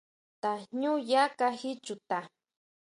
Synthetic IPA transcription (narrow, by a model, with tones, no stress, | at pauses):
t̪a˨ɲʊ˦ja˦kahɪ˦t͡ʃʊ˨t̪a˨